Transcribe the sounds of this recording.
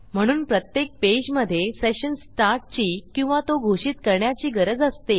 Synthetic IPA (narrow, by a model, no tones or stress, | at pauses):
m̤əɽ̃uːnpɾət̪jek̚ped͡ʑməd̪ʱːjeseɕənsʈaɾʈ̚t͡ɕiːkĩw̃ʋat̪oɡʱoɕiːt̪kəɾɳjat͡ɕiːɡəɾəd͡zəst̪e